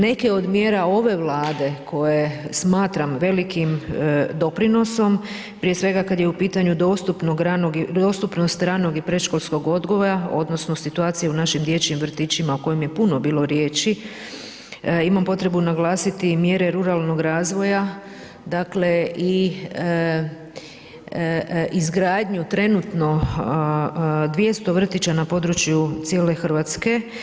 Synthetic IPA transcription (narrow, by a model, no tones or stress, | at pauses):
ne̞ke̞o̞d̪mje̞ːɾao̞ʋe̞ʋlˠaːd̪e̞kʰo̞je̞smaːt̪ɾamʋe̞likimd̪o̞pɾino̞so̞m | pɾije̞sʋe̞ɡakad̪je̞upiːt̪aɲud̪o̞st̪upnoɡɾanoɡid̪ost̪upno̞st̪ɾano̞ɡipɾe̞ʃkolˠsko̞ɡo̞d̪ɡo̞ʋoɾao̞̰d̪no̞sno̞sit̪uaːt̪sijeunaʃimd̪je̞t͡ɕimʋr̩t̪iːt͡ɕimaoko̞jemje̞puno̞biːlˠo̞ɾje̞ːt͡ʃi | imampo̞t̪ɾe̞bunaɡlˠaːsit̪imjeːɾe̞ɾuɾalˠno̞ɡɾaːzʋo̞ja | d̪akle̞ʔi | ʔizɡɾaːd̪ɲut̪ɾe̞nut̪no̞ | d̪ʋje̞st̪o̞ʋr̩t̪it͡ɕanapo̞ːd̪ɾut͡ɕjut̪sjele̞xrʋat̪ske̞